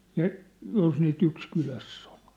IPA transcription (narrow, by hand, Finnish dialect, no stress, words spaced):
jɑ jos niːt yks kylæsː o̥l̥